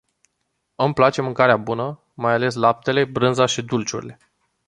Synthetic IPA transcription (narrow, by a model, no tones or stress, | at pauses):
ɨmplat͡ʃe̞mɨŋkaɾeabunə | majale̞s̬lap̚t̪e̞le̞bɾɨnzaʃid̪ult͡ʃṵɾḭle̞